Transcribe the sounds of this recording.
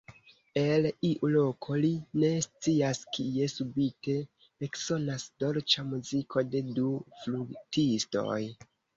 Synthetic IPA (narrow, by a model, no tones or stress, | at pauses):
e̞liʔulo̞kʰo̞line̞st͡siaskie̞subite̞ | ekso̞nasdo̞ɾt͡ʃamuzikʰo̞de̞dufluɡtisto̞̰j